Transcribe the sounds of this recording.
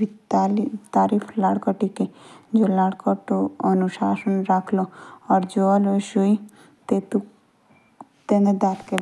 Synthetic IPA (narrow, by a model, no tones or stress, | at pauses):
ialit̪aɾipʰlaɽkɔʈiked͡ʒolaɽkɔʈoɔnuʃaʃonɾakʰloaɾd͡ʒoaloʃuj | t̪et̪u | t̪ened̪at̪ke